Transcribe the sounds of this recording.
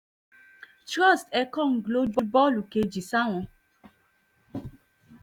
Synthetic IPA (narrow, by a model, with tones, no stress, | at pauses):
tɾɔ˦˨stɛ˦kɔ˦˨ŋ̩˨ɡlo˦bɔ˦bɔ˦lu˨ke˧d͡ʒi˨sa˦w̃ɔ̃˧